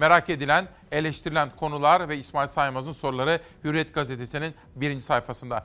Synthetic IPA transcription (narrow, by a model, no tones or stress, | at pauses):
me̞ɾakʰe̞d̪ilʲæn | e̞lʲeʃt̪ʰiɾilʲænkʰo̞nulˠaɾvɛismaːilʲsajmazɯnso̞ɾulˠaɾɯ | hyɾiɛt̪ɡ̥aze̞t̪ʰe̞sinin | biɾind͡ʒi̥sajfasɯnd̪a